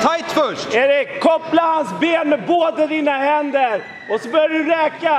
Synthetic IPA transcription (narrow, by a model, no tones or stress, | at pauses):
t̪ʰajt̪fœʂʈæɾɛkʰɔplahansbeːnmɛboːd̪əd̪iːnaɦɛnd̪əɾ | ɔsɔbœːɾjaɖɵɾɛːka